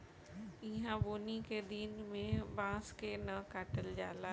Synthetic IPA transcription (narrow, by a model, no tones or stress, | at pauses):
iɦãboːniked̪inmẽbãːskenɐkaːʈəld͡ʒaːla